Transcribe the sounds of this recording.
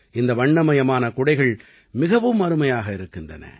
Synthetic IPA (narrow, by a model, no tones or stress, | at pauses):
ʔɪnd̪ɐʋɐɳːɐmɐjɐmaːnɐkʊɽɐɪɣɐɭ | mɪɣɐʋɯmːɐɾɯmɐjaːɣɐɪɾɯkːɪndrɐ̰nɐ̰